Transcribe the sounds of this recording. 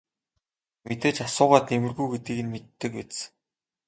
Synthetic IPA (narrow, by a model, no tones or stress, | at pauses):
met̪eːt͡ɕasʊːʁaːt̪emɘ̆rɣujɡet̪̚ɡĭːɣɘ̆nmet̪ːɘ̆kwet͡s̆